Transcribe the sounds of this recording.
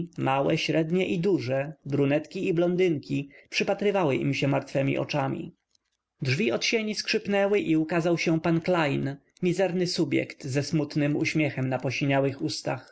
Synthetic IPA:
mawɛɕɾɛd̪ɲɛʔid̪uʐɛbɾunɛt̪kʲiːblɔnd̪ɘŋkʲipʂɘpat̪ɾɘvawɘʔḭmɕɛmaɾt̪fɛmʲḭʔɔ̰t͡ʂamʲḭ | dʐvʲiɔt̪ɕeɲiskʂɘpnɛwɘʔiukazawɕɛpanklajn | mʲizɛɾnɘsubʲjɛ̰kt̪zɛsmut̪nɘmṵɕmʲjɛxɛmnapɔɕiɲawɘxust̪ax

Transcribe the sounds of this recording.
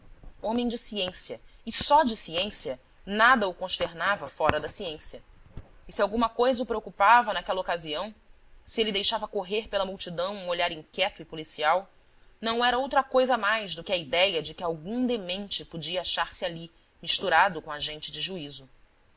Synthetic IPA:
õmẽj̃d͡ʒɪsiẽsiɐɪsɔd͡ʒɪsiẽsiɐ | nad̪ɐʊkõʃt̪eɾnavɐfɔɾɐd̪ɐsiẽsiɐɪsiawɡũmɐkojzɐupɾeokupavɐnakɛlɐokaziɐ̃w̃ | sielɪd̪ejʃavɐkoɦeɾpelɐmuwt͡ʃid̪ɐ̃w̃ũoʎaɾĩŋkʲɛt̪ʊɪpulisiaw | nɐ̃w̃ɛɾɐowt̪ɾɐkojzɐmajzd̪ʊkɪɐid̪ɛjɐd͡ʒɪkɪawɡũd̪emẽnt͡ʃɪpod͡ʒiɐaʃaɾsɪali | miʃt̪uɾad̪ʊkõaʒẽnt͡ʃɪd͡ʒɪʒuizʊ

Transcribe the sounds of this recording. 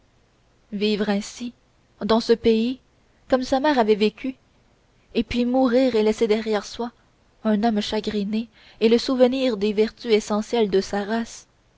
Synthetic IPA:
viːvʁɛ̃si | d̪ɑ̃səpei | kɔmsamɛːʁavɛvekʲy | epɥimuʁiːʁelɛsed̪ɛʁjɛʁswa | ɛ̃nɔmʃaɡʁine | eləsuvəniːʁd̪evɛʁt̪yesɑ̃sjɛld̪əsaʁas

